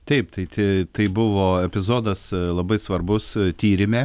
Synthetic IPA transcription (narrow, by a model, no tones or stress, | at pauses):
t̪ʲɛɪpt̪ɐɪt̪ʲɪt̪ɐɪbʊʋoːɛpʲɪzoːd̪ɐslˠɐbɐɪsʋɐrbʊst̪ʲiːɾʲɪmʲeː